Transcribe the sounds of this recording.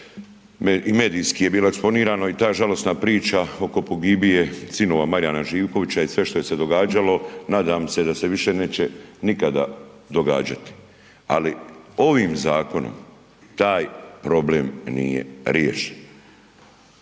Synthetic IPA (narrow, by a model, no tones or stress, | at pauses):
meime̞ːd̪iːskije̞biːloekspo̞niːɾaːnoit̪aːʒalo̞snapɾiːt͡ʃao̞ko̞po̞ɡibije̞sino̞ʋamaɾjanaʒiːʋko̞ʋit͡ɕaisʋe̞ʃt̪o̞je̞se̞d̪o̞ɡaːd͡ʒalo̞naːd̪aːmse̞d̪ase̞ʋiʃe̞ne̞ːt͡ɕenikad̪a̰ | d̪o̞ɡa̰ːd͡ʑat̪i̥ | a̰lio̞ʋiːmzaːko̞no̰m | t̪aːjpɾo̞bleːmnḭjḛɾjḛːʃe̥n